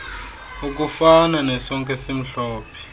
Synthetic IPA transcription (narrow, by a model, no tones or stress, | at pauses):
uk̬ufananɛsɔŋk̬ʼɛsim̩ɬɔːpʰɛ̥